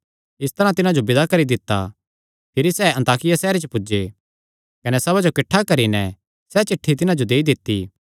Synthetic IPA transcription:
ɪst̪ɐɾãt̪ɪnãd͡ʒobɪd̪akɐɾid̪ɪt̪ːa̰ | pʰɪɾisɛɐ̃nt̪aːkɪjasɛːɾet͡ʃəpʊd͡ʒe | kɐnɛsɐbad͡ʒokɪʈʰːakɐɾinɛ | sɛt͡ʃɪʈʰːit̪ɪnãd͡ʒod̪eːid̪ɪt̪ːiː

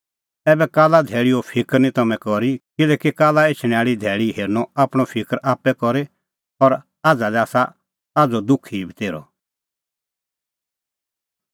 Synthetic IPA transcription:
ɛːbɛkaːlad̪ʱɛːɭiɔpʰɪkəɾnĩt̪ɐmɛ̃kɔɾikɪlɛːkikaːlaeːt͡ʃʰɽ̃ɛ̃aːɭid̪ʱɛːɭiɦeːɾnɔaːpɽ̃ɔpʰɪkəɾʔaːpɛkɔɾe | ɔɾ | aːd͡zalɛaːsa | aːd͡zɔd̪ʊkʰibʱit̪eːɾɔ̰

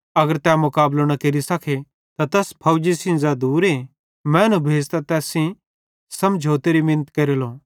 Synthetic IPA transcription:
ɐɡəɾt̪ɛmʊkaːbloñɐkeɾisɐkʰe | t̪at̪ɛːspʰɐʊd͡ʒisĩnzad̪uːɾe | mɛ̃ːnũbʱeːd͡ʒt̪at̪ɛːsĩ | sɐmd͡ʒʱoːt̪eɾimɪnət̪kɐɾeloː

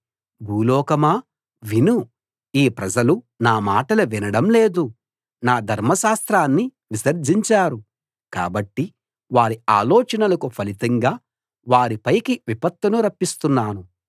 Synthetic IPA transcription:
bʱuːlɔːkɐmaː | ʋinu | iːpɾɐd͡ʒɐlu | naːmaːʈɐlɐʋinɐɽɐmle̞ːd̪u | naːd̪ʱɐɾmɐʃaːst̪ɾaːnːi | ʋisɐɾd͡ʒiɲt͡ʃaːɾu | ka̰ːbɐʈːi | ʋaːɾiaːlɔːt͡ʃɐnɐlɐkupʰɐlit̪ɐŋɡaː | ʋaːɾipɐjkiʋipɐt̪ːɐnuɾɐpːist̪unːaːnu

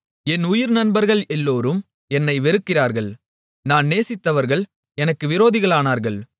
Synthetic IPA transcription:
ɛnʊjɪɾnɐnbɐɾɣɐɭɛlːoːɾɯm | ɛnːɐɪʋɛɾɯkːɪraːɾɣɐɭ | naːnneːsɪt̪ːɐʋɐɾɣɐɭ | ɛnɐkːɯʋɪɾoːðɪɣɐɭaːnaːɾɣɐɭ

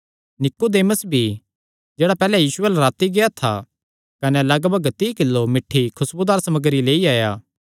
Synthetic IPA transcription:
nɪkːod̪eːməsbʱi | d͡ʒeːɽapɛːlɛjiːsʊɛːlɛɾaːt̪iɡeat̪ʰa̰ | kɐnɛlɐɡbəɡt̪ikɪlːomɪʈʰːikʰʊsbʊd̪aːɾsɐməɡəɾileːiaːjaː

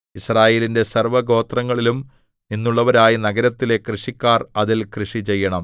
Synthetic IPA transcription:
israːje̞ːlinde̞sɐrʋɐɡo̞ːt̪rɐŋːɐɭilum | ninːuɭːɐʋɐɾaːjinɐɡɐɾɐt̪ːile̞krɨʂikʲːaːrɐðilkrɨʂit͡ɕe̞jːɐɳɐm

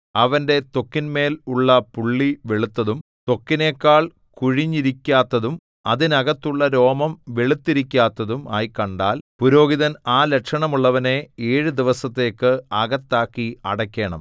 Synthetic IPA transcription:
ɐʋɐnde̞t̪o̞kːinme̞ːluɭːɐpuɭːiʋeɭut̪ːɐðum | t̪o̞kːine̞ːkːaːɭ | kuɻiɲːiɾikʲːaːt̪ːɐðum | ɐðinɐɣɐt̪ːuɭːɐɾo̞ːmɐmʋeɭut̪ːiɾikʲːaːt̪ːɐðuma̰ːjkɐɳɖaːlpuɾo̞ːɡiðɐnaːlekʂɐɳɐmuɭːɐʋɐne̞eːɻɨd̪iʋɐsɐt̪ːe̞ːkːɨɐɣɐt̪ːaːkːiɐɽɐkʲːe̞ːɳɐ̰m

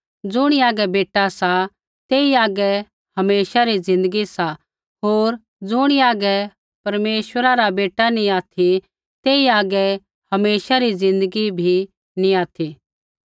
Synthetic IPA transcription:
d͡zʊɽ̃iaːɡɛbeːʈːasa | t̪eːiaːɡɛ | hɐmeːʃaɾizɪ̃nd̪əɡisa | ɦoːɾ | d͡zʊɽ̃iaːɡɛ | pɐɾmeːʃwəɾaɾabeːʈanĩaːt̪ʰi | t̪eːiaːɡɛ | hɐmeːʃaɾizɪ̃nd̪əɡibʱi | nĩaːt̪ʰi

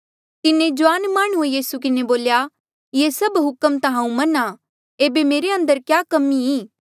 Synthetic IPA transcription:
t̪ɪnẽd͡ʒʊʋaːnmaːɽ̃uejiːsuk̬ɪneboːlja | jeːsɐbɦʊkəmt̪ɐɦãːũmɐna | eːbemeːɾeɐ̃nd̪əɾkjaːkɐmiĩː

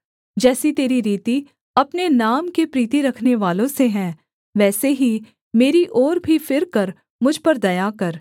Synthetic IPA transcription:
d͡ʒɛːsit̪eːɾiɾiːt̪i | ɐpnenaːmkepɾiːt̪iɾɐkʰneʋaːlõseɦɛ̃ː | ʋɛːseɦi | meːɾiʔɔːɾbʱifɪɾkɐɾ | mʊd͡ʒʱpɐɾd̪ɐjakɐɾ

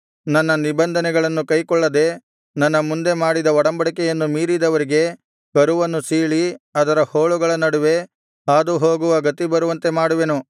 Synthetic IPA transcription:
nɐnːɐnibɐnd̪ʱɐnɛɡɐɭɐnːukɐjkɔɭːɐd̪e̞ | nɐnːɐmund̪e̞maːɽid̪ɐɔɽɐmbɐɽik̬ɛjɐnːumiːɾid̪ɐʋɐɾiɡe̞ | kɐɾuʋɐnːusiːɭiɐd̪ɐɾɐhoːɭuɡɐɭɐnɐɽuʋe̞ | aːd̪uɦoːɡuʋɐɡɐt̪ːibɐɾuʋɐnt̪e̞maːɽuʋe̞nu

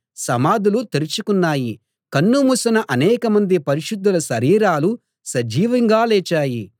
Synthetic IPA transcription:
sɐmaːd̪ulut̪eɾit͡ʃukunːaːji | kɐnːumusɐnɐʔɐnɛːkɐmɐnd̪ipɐɾiʃud̪ːulɐʃɐɾiːɾaːlu | sɐd͡ʒiːʋɐŋɡaːlɛːt͡ʃaːji

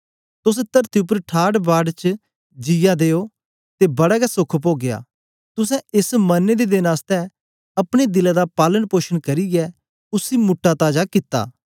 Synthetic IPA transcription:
t̪ʊs̬ɛt̪əɾt̪ʰiʊp̬əɾʈʰaːɽbaːɖt͡ʃ | d͡ʒɪjad̪eːo | t̪ebɐɽaɡɛsʊkʰp̬oːɡeja̰ː | t̪ʊs̬ɛ̃ɪsmɐnːed̪ed̪ɪnaːst̪ɛ | ɐpɽ̃ed̪ɪlad̪apaːlənpoːʃəɽ̃kɐɾiɡɛ | ʊsimʊʈːat̪aːd͡ʒakɪt̪ːa̰ː

